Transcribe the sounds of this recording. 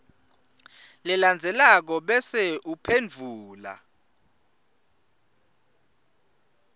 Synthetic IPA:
lɛland͡zʱɛlak̬ɔɓɛsɛʔupʰend͡vʱuːla̰

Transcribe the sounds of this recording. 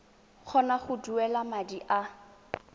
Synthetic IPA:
k͡xʰɔnaχʊduɛlamadiʔa

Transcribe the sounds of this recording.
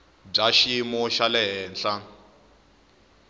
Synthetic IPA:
b͡ʐaʃimɔʃalɛɦɛːnɬa

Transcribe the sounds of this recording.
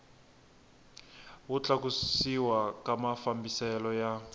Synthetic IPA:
wut͡ɬakusiwakamafambisɛlɔja

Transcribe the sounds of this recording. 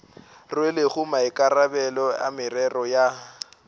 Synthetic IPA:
rwelɪɣʊmaɪkʼarabɛlɔa̰mɪrɛrɔja

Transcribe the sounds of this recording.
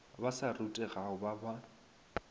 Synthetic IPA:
basarutʼɛɣaʊbaba

